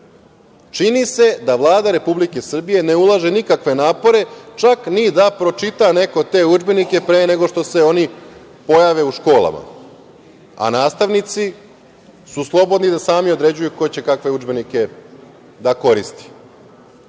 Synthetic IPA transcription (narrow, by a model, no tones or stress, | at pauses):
t͡ʃinise̞d̪aʋlˠaːd̪aɾe̞publike̞sr̩bije̞ne̞ulˠaʒenikakʋe̞naːpo̞ɾe̞t͡ʃaknid̪apɾo̞t͡ʃit̪ane̞ko̞t̪e̞ːud͡ʒbe̞nike̞pɾeːne̞ɡo̞ʃt̪o̞se̞o̞ni | po̞jaʋe̞uʃko̞ːlˠa̰ma̰ | a̰naːst̪aʋnit̪si | suslˠo̞bo̞d̪nid̪asaːmio̞d̪ɾe̞d͡ʑujuko̞t͡ɕe̞kakʋe̞ud͡ʒbe̞nike̞ | d̪ako̞ɾist̪i̥